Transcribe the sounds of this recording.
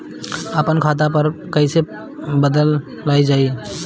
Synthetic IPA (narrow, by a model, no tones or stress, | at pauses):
əpənkʰat̪̬apəɾkəɪse | bəd̪əlː | ajd͡ʒai